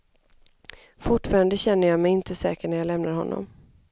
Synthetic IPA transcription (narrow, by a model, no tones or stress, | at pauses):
fʊʈfɑːɾand̪əɕɛnːəjɑːmɛjɪnt̪ʰəsɛːkəɳæjɑːlɛmnaɾhɔ̰nːɔ̰m